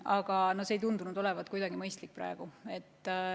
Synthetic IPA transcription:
ɑɡ̥ɑnosejt̪und̪unud̪̥o̞le̞vɑt̪ːˑkujd̪ɑɡimɤjst̪lik̚ːpɾɑ̰eɡ̥ue̞t̪ːˑ

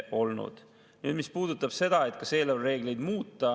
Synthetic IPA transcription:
ʔo̞lnṵd̪̥ | nied̪mispuːd̪ut̪ːˑɑb̥se̞d̪̥ɑe̞t̪̚kɑse̞ːlolre̞ːɡlejd̪muːt̪ːɑ

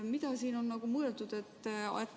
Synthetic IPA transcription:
mit̪ɑsiːno̞nːɑɡ̥umueld̪ud̪̥e̞t̪ːɑ̰et̪ː

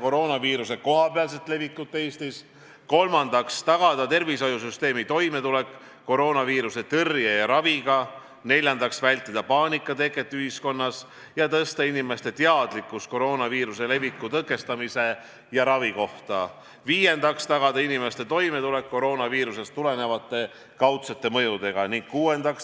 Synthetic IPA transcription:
ko̞ɾo̞ːnɑviːɾuse̞ko̞ɦɑpeɑls̬e̞t̪le̞vikːˑut̪ːejst̪is | ko̞lmɑnd̪̥ɑkst̪ɑɡ̥ɑd̪̥ɑt̪e̞rviso̞jusyst̪e̞ːmit̪o̞jme̞t̪ule̞kː | o̞ɾo̞ːnɑviːɾuse̞t̪ɤrjejɑɾɑviɡ̥ɑ | ne̞lʲjɑnd̪ɑksvælʲt̪ːˑid̪̥ɑpɑːnikːˑɑt̪e̞kːˑe̞t̪ːˑyhisko̞nːɑs | jɑt̪ɤst̪ɑinime̞st̪e̞t̪eɑd̪̥likːˑus̚ko̞ɾo̞ːnɑviːɾuse̞le̞vikːˑut̪ɤkːˑe̞st̪ɑmise̞ | jɑɾɑviko̞ht̪ɑ | viːje̞nd̪ɑkst̪ɑɡɑd̪ɑinime̞st̪e̞t̪o̞jme̞t̪ule̞kːo̞ɾo̞ːnɑviːɾuse̞st̪ːule̞ne̞vɑt̪ːˑe̞ | kɑwt̪set̪ːe̞mɤ̞jud̪e̞ɡ̥ɑniŋɡ̥̚kuːe̞nd̪ɑks

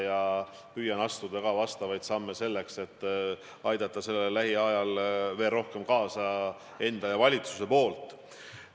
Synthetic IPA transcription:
jɑ | pyːjɑnɑst̪ud̪̥ɑkɑvɑst̪ɑvɑjd̪sɑmːe̞se̞lːe̞kse̞t̪ː | ɑjd̪ɑt̪ːˑɑse̞lːellːæɦiɑjɑlve̞ːlro̞hke̞mkɑːsɑ | e̞nd̪̥ɑjɑvɑlʲit̪su̥se̞po̞ːlt̪ˑ

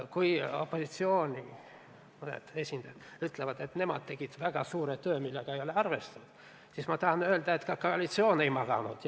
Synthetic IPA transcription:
kujo̞̰pːo̞sit̪sio̞ːnʲi | munḛd̪̥e̞sʲind̪̥ɑjɑd̪yt̪levɑd̪̥e̞t̪ne̞mɑ̰d̪̥̚t̪e̞ɡ̥id̪̥væɡ̥ɑsuːɾet̪ø̞ːmilːeɡ̥ɑejo̞leɑrve̞st̪ɑud̪̥ | sismɑt̪ɑhɑnø̞eld̪̥ɑet̪ːkɑkoɑlit̪sio̞ːne̞jmɑɡ̥ɑ̰nud̪̥

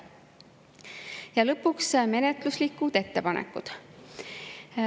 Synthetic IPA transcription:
jɑlɤpːuksme̞net̪luslikːˑud̪̥e̞t̪ːe̞pɑnʔḛkːˑud̪̥

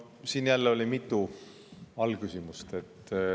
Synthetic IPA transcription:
siːnjælːeo̞lʲimit̪ːˑu | ɑlkysimust̪e̞t̪ː

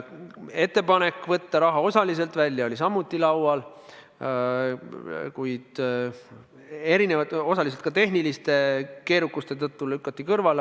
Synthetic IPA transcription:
e̞t̪ˑːe̞pɑne̞kːˑvɤt̪ːɑɾɑɦɑo̞sɑlis̬e̞lt̪vælʲːjɑo̞lʲis̬ɑmːut̪ːˑilɑwɑl | kujd̪̥ | e̞ɾinevɑo̞sɑliselt̪kɑt̪e̞ɦnilist̪e̞ke̞ːɾukːˑust̪e̞t̪ɤt̪ːulykːˑɑt̪ˑːikɤrvɑl

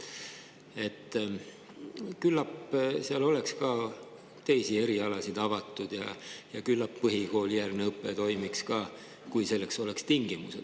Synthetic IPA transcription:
e̞t̪ːˑ | kylːɑpseɑlo̞lekskɑː | t̪e̞jsie̞ɾiɑlɑsid̪̥ɑvɑt̪ːˑud̪̥jɑ̰jɑkylːɑpːɤɦiko̞ːlijærneɤpːˑe̞t̪o̞jmikskɑː | kujse̞lːekso̞lekst̪iŋɡ̥imused̪̥

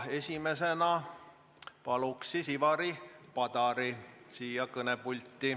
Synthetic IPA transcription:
e̞sʲime̞se̞nɑ | pɑluksisivɑɾipɑd̪ɑɾisiːjɑkɤnepulʲt̪ːˑi

